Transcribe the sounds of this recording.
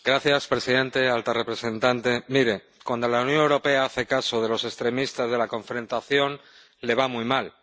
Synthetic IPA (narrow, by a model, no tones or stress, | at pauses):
ɡ̥ɾaθjaspɾe̞siðe̞nt̪e̞alt̪arepɾe̞sẽ̞nt̪ant̪e̞miɾe̞ | kwand̪o̞launjõ̞newɾo̞pe̞aaθe̞kaso̞ð̞e̞lo̞se̞st̪ɾe̞mist̪azð̞e̞lakõ̞ɱfɾẽ̞nt̪aθjo̞n | le̞β̞amujmal